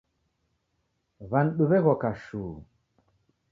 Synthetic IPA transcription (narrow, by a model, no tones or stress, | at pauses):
vanɗuβeɣokaʃuː